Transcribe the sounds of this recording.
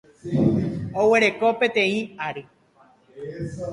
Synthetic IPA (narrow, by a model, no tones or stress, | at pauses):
owe̞ɾe̞kopẽt̪ẽĩaɾe